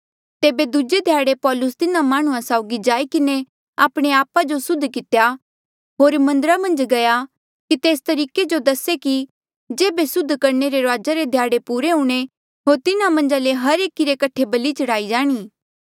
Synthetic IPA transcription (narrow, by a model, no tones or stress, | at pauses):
t̪eːbed̪ʊd͡ʒed̪ʱjaːɽepɔːlʊst̪ɪnãmaːɽ̃ũãsaːʊɡid͡ʒaːikɪne | aːpɽ̃eaːpad͡ʒosʊd̪ʱkɪt̪ja | ɦoːɾmɐ̃nd̪əɾamɐ̃nd͡ʒɡɐja | kit̪eːst̪ɐɾiːked͡ʒod̪ɐseki | d͡ʒeːbesʊd̪ʱːkɐɾneɾeɾaːd͡ʒaɾed̪ʱjaːɽepuːɾeɦũːɽ̃e | ɦoːɾt̪ɪnãmɐ̃nd͡ʒaleɦɐɾeːkiɾekɐʈʰebɐlit͡ʃɐɽaːid͡ʒaːɽ̃iː